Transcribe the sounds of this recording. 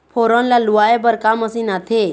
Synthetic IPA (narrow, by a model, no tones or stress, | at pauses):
pʰoɾənlaluajebəɾkaməsinat̪ʰe